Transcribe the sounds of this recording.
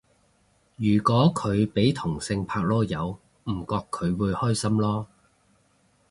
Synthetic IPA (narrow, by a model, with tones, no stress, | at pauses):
jyː˨˩kɔː˨˥kʰɵ˨˧ɥpe˨˥jt̪ʰʊ˨˩ŋsɪ˧ŋpʰaː˧k̚lɔː˥jɐ˨˧w | m̩˨˩kɔː˧kʰːɵ˨˧ɥwuː˨˧jhɔː˥jsɐ˥mlɔː˥